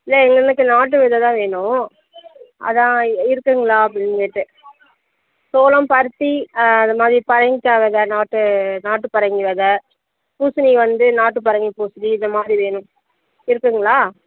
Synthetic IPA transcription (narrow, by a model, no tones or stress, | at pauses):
ɪlːɐɛŋɡɐnɯkːɯnaːʈ̬ːɯʋɪðɐt̪ãːʋeːɳʊ̃ | ɐ̰ðãːɪɾɯkːɯŋɡɐɭaːɐp̬ːɽɪnkeʈːɯ | soːlɐmpɐɾɯt̪ːiɐnd̪ɐmaːðɾipɐɾɐŋɡkːaːʋɐðɐnaːʈːɯnaːʈːɯpɐɾɐŋɡiʋɐðɐ | puːsɯniʋɐnd̪ɯnaːʈːɯpɐɾɐŋɡipuːsɯniɪnd̪ɐmaːðɾiʋeːɳʊ̃ | ɪɾɯkːɯŋɡɐɭaː